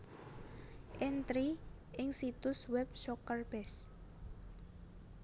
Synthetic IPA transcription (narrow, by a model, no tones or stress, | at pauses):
ʔɛnt̪ɾi | ʔɪŋsit̪ʊswɛp̚ʃɔkərb̥ɛs